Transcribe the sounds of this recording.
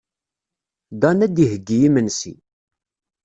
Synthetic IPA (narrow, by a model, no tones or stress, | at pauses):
d̪ɑnæd̪ihəɡːijimənsḭ